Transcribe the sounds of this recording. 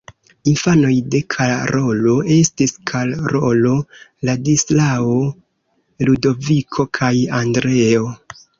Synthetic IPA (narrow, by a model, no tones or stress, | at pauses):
infano̞jde̞kʰaɾo̞lo̞e̞stiskʰalɾolo̞ladislao | ludo̞vikʰo̞kʰajandɾe̞o̞